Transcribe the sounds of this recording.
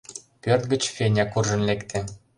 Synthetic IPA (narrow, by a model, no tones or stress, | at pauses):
pørt̪̚ɡə̆t͡ɕfʲenʲɑkurʒə̆nlekt̪ʰĕ